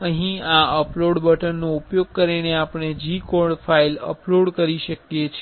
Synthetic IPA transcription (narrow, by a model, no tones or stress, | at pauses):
əɦĩaəploɽbəʈənːoupjoɡ̚kəɾineapɽ̃ed͡ʒikoɾɖfailə̰ploɽkəɾiʃəkjet͡ʃʰ